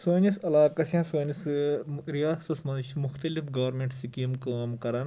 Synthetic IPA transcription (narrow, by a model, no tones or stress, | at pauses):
soːnisɐlaːkɐsjãːsoːnisɾijaːsɐsmɐnʃmʊxt̪ɐlifɡɐʋɾmẽɳʈsikimkaːmkɐɾɐn